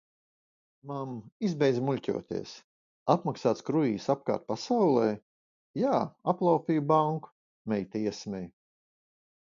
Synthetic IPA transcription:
mamizbɛjd̪zmulʲcʲṵɔt̪ḭɛs | apmaksaːt̪skɾuiːsap̚ka̰ːɾt̪̚pasawlˠɛː | jaːaplˠawpʲiːjbaŋku̥ | mɛjt̪iɛsmʲɛj

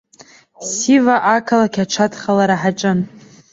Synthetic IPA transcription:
sivaʔakʰalakʲaʈ͡ʂʰatʰχalaɾaħaʈ͡ʂʼɨn

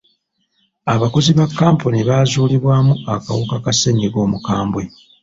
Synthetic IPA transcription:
aβako̞ziβakːaːmponiβaːzuːliβwaːmuaka̰wukakaseɲiɡo̞ːmukaːmbwe̞

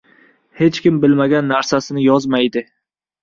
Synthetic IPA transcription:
he̞t͡ʃkʲɪmbɪlmaɡʲanːaɾsasɪnɪjɒzmajd̪ɪ

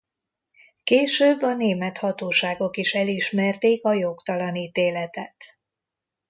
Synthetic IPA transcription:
keːʃøːbːɒneːmɛt̪hɒt̪oːʃaːɡo̞kiʃɛliʃmɛrt̪eːkɒjo̞kt̪ɒlɒniːt̪eːlɛt̪ɛt̪

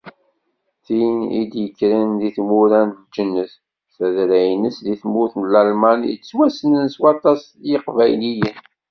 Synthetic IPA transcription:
θinḭd̪jəkːɾinðiθmuɾænðd͡ʒənːəθ | θæðɾæjnəsðiθmʊθnəlælmænjə̰swæsənənswɑt̪ˤɑs | jəqvæjlijən

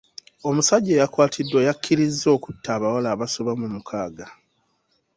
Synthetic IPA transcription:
o̞musaɟːe̞jakwaːtʰidːwejakʰːiɾizːo̞ːku̥tːaːβawalaːβasoβamumukʰaːɡa

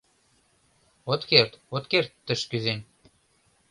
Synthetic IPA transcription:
ot̪kert̪ot̪kert̪ːə̆ʃkyzen

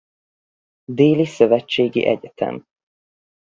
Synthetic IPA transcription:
d̪eːlisøvɛt͡ʃːeːɡḭʔɛɟɛt̪ʰɛ̰m

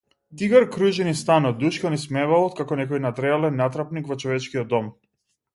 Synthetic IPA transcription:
d̪iɡaɾkɾuʒɛnist̪anɔt̪̚d̪uʃkɔnismɛvalˠɔt̪kakɔnɛkɔjnat̪ɾɛalɛnːat̪ɾapnikvɔt͡ʃɔvɛt͡ʃkiɔd̪ːɔm

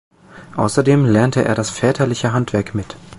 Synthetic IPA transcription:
ʔa̰ʊsɐdeːmlɛɐntəʔḛːɐɾasfɛːtʰɐlɪçəɦantv̥ɛɐkmɪt

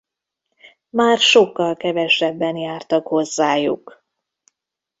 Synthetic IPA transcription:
maːrʃo̞kːɒlkɛvɛʃɛbːɛnjaːrt̪ɒkho̞zːaːjṵk

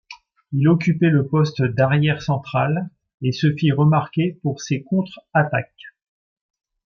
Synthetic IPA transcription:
ilɔk̬ʲypɛləpɔst̪d̪aʁjɛʁsɑ̃t̪χal | esəfiʁəmaʁkʲepuʁsekɔ̃t̪χat̪ak̚

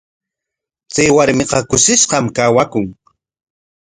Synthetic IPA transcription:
t͡sajwaɾmɪqɑkʊʃɪʃɢɑmkawakʊŋ

